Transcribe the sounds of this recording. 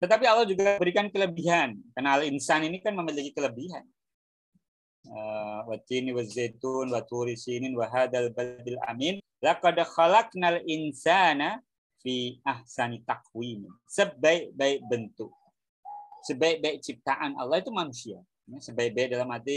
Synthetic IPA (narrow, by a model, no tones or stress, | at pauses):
t̪ət̪ap̬iɑlːɑhd͡ʒuɡabəɾikankələbiɦankarnaalinsaninikanməməliɡikələbiɦa̰n | əwat̪iniwazet̪unwat̪uɾisininwaɦaðalbald̪ɪlʔa̰min | laqɑdxalaknalʔɪnsana | fiʔahsanit̪aq̚wimi | səbaɪʔ̚baɪk̚bənt̪ʊk̚ | səbaɪk̚baɪk̚t͡ʃip̚t̪aʔanɑ̰lːɑhit̪umanusia | jasəbaɪk̚baɪk̚dalamat̪i